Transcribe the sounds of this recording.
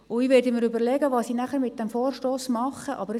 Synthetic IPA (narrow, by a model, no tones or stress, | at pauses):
ʊiʋɛɾdəmɪɾʏbəɾlɛɡəʋɑːssinæχəɾmɪt̪̚d̥ɛmfoːrʃtoːsmɑχəʔɑ̰bəɾ